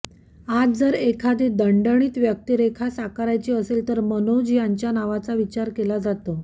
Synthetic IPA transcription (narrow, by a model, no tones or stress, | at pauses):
ad͡zd͡zəɾekʰad̪id̪əɳɖəɳ̃iːt̪ʋjək̚t̪iɾekʰasakaɾajt͡ɕiəselt̪əɾmənod͡ʑijaɲt͡ɕjanaʋat͡saʋit͡ɕaɾkelad͡zat̪o